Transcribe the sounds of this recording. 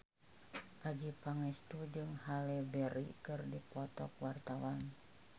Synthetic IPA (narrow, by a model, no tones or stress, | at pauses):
ʔad͡ʒipaŋɛst̪ud͡ʒɨŋhalɛbɛɾḭkɨrdipɔt̪ɔk̚wart̪awan